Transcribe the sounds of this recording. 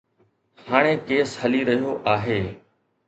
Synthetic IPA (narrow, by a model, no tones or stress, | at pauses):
haːɽ̃ẽːkeːshəliɾɐɦijoʔaːɦeː